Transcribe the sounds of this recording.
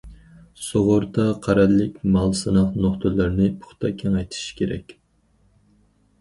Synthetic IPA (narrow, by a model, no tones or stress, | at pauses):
soʁʊɾt̪ɑqʰæɾɛlːɪkʲmɑlˠsɨnɑχnoχt̪ʰɨlɨɾnɪpʰʊ̥χt̪ʰɑkʲʰeŋɛjt̪ʰi̥ʃi̥kʲʰeɾɛ̰kʲ